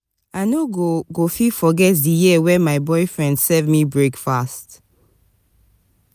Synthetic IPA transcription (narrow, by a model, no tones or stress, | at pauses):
aɪnoɡoɡofifɔɡɛtdijiəwɛ̃maɪbɔɪfɹɛ̃ndsɛvmibɹekfast